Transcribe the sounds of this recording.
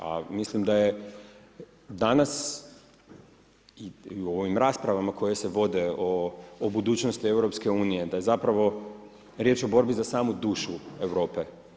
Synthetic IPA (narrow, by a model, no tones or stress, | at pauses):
a̰mislimd̪aje | d̪anas | io̞ʋimɾaːspɾaʋamako̞je̞se̞ʋo̞d̪e̞oːbud̪uːt͡ʃnost̪ie̞wɾo̞pske̞uːnije̞d̪aje̞zapɾaʋo̞ | ɾje̞t͡ʃo̞bo̞ɾbizasaːmud̪uːʃueʋɾo̞ːpe